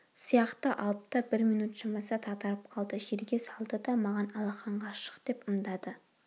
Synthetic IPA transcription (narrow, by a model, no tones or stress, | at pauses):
sijɑqt̪əʔɑlˠpt̪ɑbɪɾminut̪ʃɑmɑsɑt̪ʰɑʁd̪ɑɾəp̚qʰɑlˠd̪əʒeɾɡʲe̞sɑlˠd̪əd̪ɑmɑʁɑnɑlˠɑχɑɴʁɑʃə̥qd̪e̞pəmd̪ɑd̪ə